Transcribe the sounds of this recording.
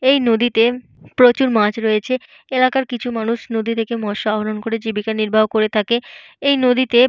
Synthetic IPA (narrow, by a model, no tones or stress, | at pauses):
ejnod̪it̪e | pɾot͡ɕuɾmãt͡ɕɾoet͡ɕʰe | elakaɾkit͡ɕʰumanuʃnod̪ʱit̪ʰekemɔʃoabʱolonkoɾed͡ʑibikaɾniɾbʱaɦokoɾet̪ʰake | ejnod̪it̪e